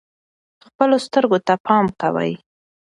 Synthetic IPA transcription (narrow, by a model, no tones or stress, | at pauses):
xpəlost̪əɾɡot̪apʰɑmkawə̰j